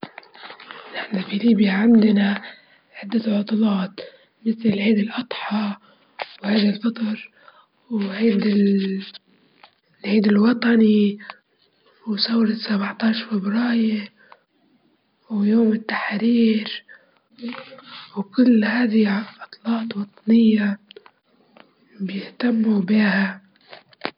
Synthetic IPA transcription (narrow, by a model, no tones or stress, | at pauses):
nɪħnafiliːbjaʕɪmd̪na | ʕad̪ːaʕʊt̪ˤlɑːt̪ | mɪθlɪlʕiːd̪ɪlʔɑt̪ˤħɑ | whaːd̪alfɑt̪ˤɑɾ | wʕiːd̪ɪ | lʕiːd̪ɪlwɑt̪ˤɑni | wsawɾɑt̪sabʕt̪ɑːʃfɪbɾɑːjɪ | wjoːmɪt̪ːaħɾiːɾ | wkʊlːhaːðiʔɑt̪ˤlɑːt̪ˤwɑt̪ˤɑnɪjːa | bjɪht̪amːubiːha